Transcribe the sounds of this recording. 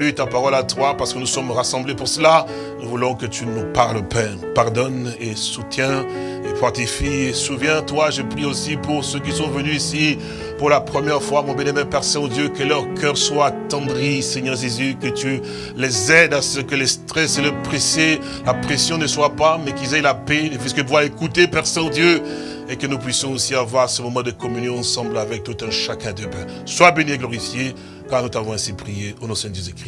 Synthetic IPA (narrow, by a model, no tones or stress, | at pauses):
lyt̪apaʁɔlat̪wapaʁsə̥kənusɔmʁasɑ̃blepuʁsəla | nuvulɔ̃kət̪ynupaʁlpɛːʁpaʁd̪ɔnesut̪jɛ̃ | efɔʁt̪efiesuvjɛ̃t̪waʒəpχiosipuʁsøkisɔ̃vənyisi | puʁlapχəmjɛʁfwamɔ̃bjɛnɛmɛmpɛʁsɛ̃od̪jøkəlœʁkœʁswat̪ɑ̃d̪ʁisɛɲœʁʒezykət̪y | lɛzɛd̪asəkəlɛst̪χɛseləpχese | lapχesjɔ̃nəswapamɛkizɛjlapelɛfiskəpvwaekut̪epɛʁsɛ̃od̪jø | ekənupɥisjɔ̃osiavwaʁasəmɔmɑ̃d̪əkɔmynjɔ̃ɑ̃sɑ̃blavɛk̚t̪ut̪ɛ̃ʃakɛ̃d̪əpɛ̃ | swabenieɡlɔʁifje | kaʁnut̪avɔ̃ɛ̃sipχijeonɔ̃sɛ̃d̪əʒezykχi